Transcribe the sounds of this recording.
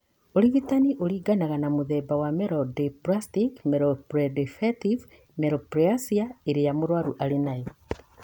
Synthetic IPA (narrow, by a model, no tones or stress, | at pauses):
oɾiɣitaniʔoɾiːɡanaɣanamoðɛːbawamɛɾɔdepɾastikmɛɾopɾedefɛtiv | meɾɔpɾeasiaeɾejamoɾwaɾuʔaɾenae